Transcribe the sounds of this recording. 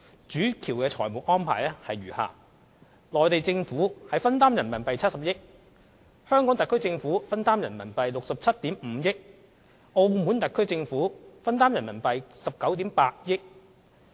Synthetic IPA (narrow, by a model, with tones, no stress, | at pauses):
t͡ʃyː˨˥kʰiː˨˩wkɛː˧t͡ʃʰɔː˨˩jmuː˨˩k̚ʔɔː˥npʰa̰ː˨˩jlɛ˥hɐ˨jɥyː˨˩ha̰ː˨ | lɔː˨˩jt̪e˨jt͡sɪ˧ŋfuː˨˥hɐ˨jfɐ˥nt̪aː˥mjɐ˨˩nmɐ˨˩npɐ˨jt͡sʰɐ˥t̚sɐ˨p̚jɪ˥k̚ | hœː˥ŋkɔː˨˥ŋt̪ɐ˨kʰːɵ˥ɥt͡sɪ˧ŋfuː˨˥fɐ˥nt̪aː˥mjɐ˨˩nmɐ˨˩npɐ˨jlʊ˨k̚sɐ˨p̚t͡sʰɐ˥t̚t̪iː˨˥mm̩ː˨˧˦jɪ˥k̚ | ʔo˧wmu˨˥nt̪ɐ˨˩kʰːɵ˥ɥt͡sɪ˧ŋfuː˨˥fɐ˥nt̪aː˥mjɐ˨˩nmɐ˨˩npɐ˨jsɐ˨p̚kɐ˨˥wt̪iː˨˥mpaː˧t̚jɪ˥k̚